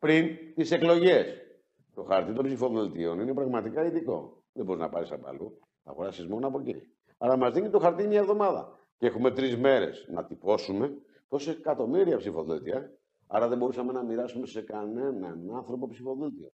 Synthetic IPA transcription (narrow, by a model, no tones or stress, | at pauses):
pɾint̪ise̞klo̞ʝe̞s | t̪o̞xɐɾt̪it̪o̞mbpsifo̞ðult̪io̞nine̞pɾɐɣmɐt̪ikɐiðiko̞̰ | ðebo̞ɾiznɐ̰pɐɾisɐpɐ̰lu | θɐ̰ɣo̞ɾɐsizmo̞noɐpo̞cḭ | ɐɾɐmɐzðiɲit̪o̞xɐɾt̪imɲɐevðo̞mɐðɐ̰ | cexume̞t̪ɾizme̞ɾe̞̰snɐ̰t̪ipo̞sume | t̪osekɐt̪o̞miɾiɐpsifo̞ðut̪iɐ | ɐ̰ɾɐðe̞bo̞ɾusɐme̞nɐmiɾɐsume̞se̞kɐne̞nɐnɐnθɾo̞po̞psifo̞ðult̪io̞̰